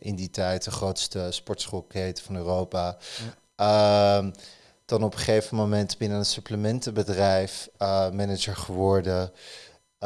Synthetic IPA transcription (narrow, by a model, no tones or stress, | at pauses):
ʔɪnditɛjt̚dəχrowtstəspɔɹtsχolˠkejtə̥fɑnøːrowpa | d̥ɑnɔpəχejvəmomɛntbɪnənənsɵpləmɛntəbədrɛjfmɛnəd͡ʒəɹχəʋɔɹdə